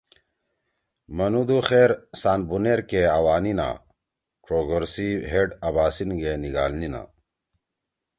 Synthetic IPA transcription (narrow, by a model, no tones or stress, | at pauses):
mɐnud̪uxeːɾsaːnbuneɾkeɐwaːnina̰ | ʈ͡ʂɾoːɡoɾsiɦeɖɐbaːsinɡeniɡaːlnina̰